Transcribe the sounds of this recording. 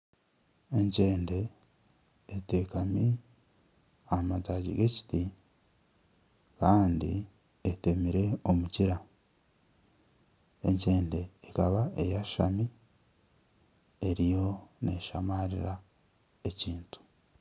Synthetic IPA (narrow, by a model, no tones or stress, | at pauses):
e̞ɲce̞ːnde̞ː | te̞ːkami | amataːɟḭɡe̞ci̥ti | kaːndḭ | ete̞miɾe̞o̞muciɾa | e̞̰ɲce̞ːnde̞ːkaβae̞̰jaʃa̰mi | e̞ɾijo̞neʃamaɾiɾa | e̞ciːntu̥